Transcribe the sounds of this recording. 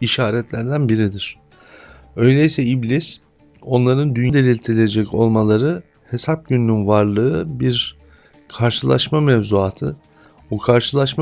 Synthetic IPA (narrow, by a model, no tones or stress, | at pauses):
iʃaːɾɛt̪lʲæɾd̪ænbiɾid̪iɾ̝̥ | ø̞jlʲeisɛiblʲis | o̞nlˠaɾɯnd̪ynjd̪e̞lʲilʲt̪ʰiɾilʲed͡ʒɛco̞̰lˠmalˠaɾɯ | he̞sap̚ɟynːynvaɾlˠɯɯbiɾ | kʰaɾʃɯlˠa̰ʃmamɛvzuaːt̪ʰɯ̰ | bukʰaɾʃɯlˠaʃm